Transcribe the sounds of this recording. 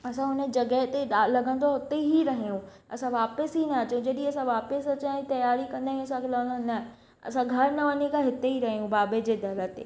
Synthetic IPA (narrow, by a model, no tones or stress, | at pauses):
ɐsãʊnəd͡ʑɐɡəɦt̪eɗalɐɡə̃nd̪oɦɪt̪eɦiɾɐɦijũ | ɐsãʋaːpəsɦinɐɐt͡ɕõd͡ʑɐɗiɐsãʋaːpəsɐt͡ɕãit̪ɐjaːɾikɐ̃nd̪aːɦĩɐs̬ãkʰelɐɡənd̪onɐ | ɐ̰sãɡʱɐɾnɐʋɐɲekaɦɪt̪eɦiɾɐɦijũbaːbed͡ʑeːd̪ʱɐlət̪ḛː